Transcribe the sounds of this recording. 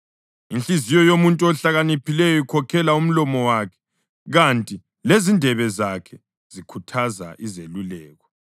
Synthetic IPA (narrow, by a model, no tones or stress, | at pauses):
inɬizijɔjomuntʼuɔɬaɣanipʰilɛjɔikʰɔkʰɛlaum̩lɔmɔwakʰɛ̥ | ɣantʼi | lezindʱɛβɛzakʰɛ | z̥ikʰutʰaza̰ʔizelulɛːɣɔ